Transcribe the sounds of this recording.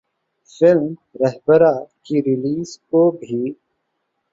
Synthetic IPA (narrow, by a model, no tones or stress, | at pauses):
fɪlmɾəɦbəɾakiɾɪliːzkobʱiː